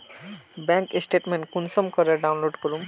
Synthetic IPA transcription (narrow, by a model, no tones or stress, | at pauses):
bɛŋkesʈeʈmeɳʈkunsɔmkɔɾaɾɖawnloɖkoɾum